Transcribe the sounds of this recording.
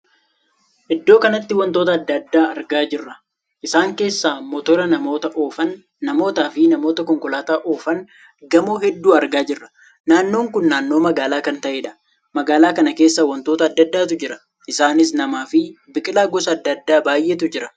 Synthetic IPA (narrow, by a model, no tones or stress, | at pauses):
ʔɪd̪ːo̞ːkɐnɐt̪ːɪwɐnt̪o̞ːt̪̬ɐɐd̪ːɐd̪ːaːɐɾɡaːd͡ʒɪrːɐ | ʔɪsaːŋke̞ːsːaːmɔt̪ɔɾɐnɐmo̞ːt̪ɐʔoːfɐnː | ɐmo̞ːt̪aːfɪnɐmo̞ːt̪ɐkɔŋkɔlaːt̪aːʔoːfɐn | ɡɐmoːɦɛd̪ːuːɐɾɡaːd͡ʒɪrːɐ̥ | naːnːo̞ːŋkʊnːaːnːoːmɐɡaːlaːkɐnt̪ɐʔeːᶑɐ̥ | mɐɡaːlaːkɐnɐke̞ːsːɐwɐnt̪oːt̪ɐːd̪ːɐd̪ːaːt̪ʊd͡ʒɪɾɐ̥ | ʔɪsaːnɪs̬nɐmaːfɪbɪkʼɪlaːɡɔsɐːd̪ːɐd̪ːaːbaːjʔɛt̪̬ʊd͡ʒɪɾɐ̥